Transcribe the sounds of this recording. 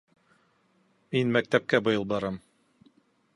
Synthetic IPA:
minmæk̚t̪æp̚kæbɤ̆jɤlˠbɑɾɑm

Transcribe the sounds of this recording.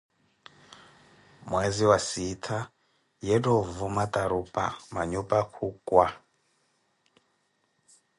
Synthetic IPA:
mwɛziwasitʰa | jɛdɔvumatʼaɾupʼa̰maɲupʼakʰukʼwa

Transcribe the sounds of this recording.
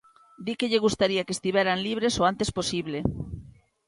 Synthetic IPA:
d̪ikeʎeɣust̪aɾiakest̪iβɛɾanliβ̞ɾesoant̪esposiβle

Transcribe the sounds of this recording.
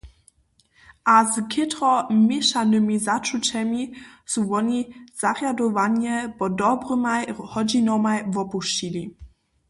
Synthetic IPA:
ʔazkʰɪtʁɔmʲjeʃanɨmizat͡ʃut͡ɕɛmisuvɔniz̥aʁjadɔvaɲɛbɔdɔbrɨmajhɔd͡ʑinɔmajvɔpuʃt͡ɕilʲi

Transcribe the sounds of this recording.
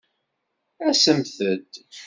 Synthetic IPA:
æsəmθəd̪

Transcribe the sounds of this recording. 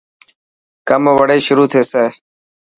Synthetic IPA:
kəmʋəɽeːʃʊɾuːt̪ʰeːseː

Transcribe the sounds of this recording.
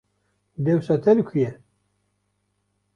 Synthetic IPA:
d̪ɛwsɑːt̪ʰɛlɨkʰujɛ

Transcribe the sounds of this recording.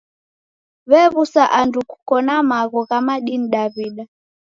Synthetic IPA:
βɛβusaʔanduku̥kɔnamaɣɔɣamaɗiniɗaβiɗa

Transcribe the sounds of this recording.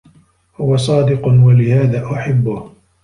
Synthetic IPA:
hʊwasˤɑːd̪ɪqʊwalɪhaːðaːʔʊħabːʊh

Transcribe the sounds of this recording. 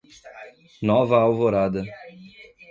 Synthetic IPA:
nɔvɐawvoɾad̪ɐ

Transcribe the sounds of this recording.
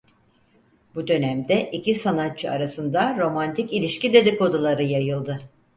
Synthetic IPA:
bud̪ø̞næmd̪ɛʔicisanat̪̚t͡ʃʰɯaɾasɯnd̪aɾo̞mant̪ʰicilʲiʃcid̪e̞d̪iko̞d̪ulˠaɾɯjajɯlˠd̪ɯ

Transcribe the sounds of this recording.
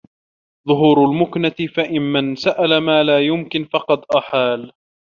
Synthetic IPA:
ðˤʊɦuːɾʊlmʊknat̪ɪfaʔɪnmansaʔalamaːlaːjʊmkɪnfɑqɑd̪ʔaħaːl

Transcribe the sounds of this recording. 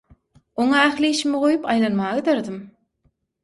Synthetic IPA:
oŋɑæxliiːʃimiʁojupʰɑjlˠɑnmɑːʁɯd̪æɾd̪im

